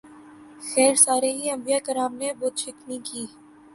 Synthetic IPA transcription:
xɛːɾsaːɾeɦiɐ̃mbijaːkəɾaːmnebʊːt̪ʃɪknikiː

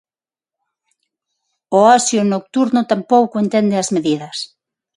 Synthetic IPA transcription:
oasjonok̚t̪uɾnot̪ampowkoent̪end̪eazmeðiðɐs

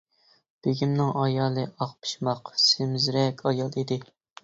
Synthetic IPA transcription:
b̥eɡʲimnɪŋɑjɑːlˠɨʔɑq̚pʰɨ̥ʃmɑqsemzɾɛkʲʰɑjɑlˠid̪ɪ

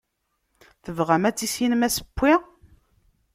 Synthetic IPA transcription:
θəvʁæmæt͡sːisjinmæsə̥pːi

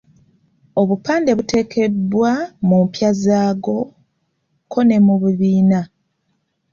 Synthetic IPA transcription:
o̞βupaːnde̞βute̞ːkʰe̞dwamumpjazaːɡo̞ | kʰo̞ne̞muβuβiːna

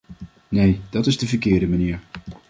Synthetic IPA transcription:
nejd̥ɑtɪzdəvəɹkɪːɹdəmaniːɹ

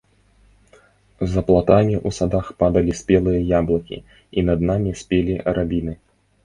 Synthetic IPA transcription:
zɐplˠat̪amʲiʔusad̪axpad̪ɐlʲisʲpʲɛlˠɨjɐjablˠɐkʲḭ | inɐd̪namʲisʲpʲeɛlʲiɾabʲinɨ

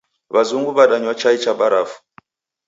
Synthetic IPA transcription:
βazuŋɡuβaɗaɲwat͡ʃait͡ʃabaɾafu̥

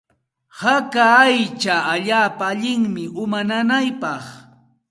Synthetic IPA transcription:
hakaajt͡ʃaːʎaːpaːʎɪŋmɪʊmananajpɑχ

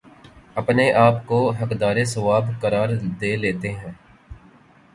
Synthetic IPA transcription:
ɐpneʔaːpkoɦɐkd̪aːɾesɐʋaːbkɐɾaːɾd̪eːleːt̪eɦɛ̃ː

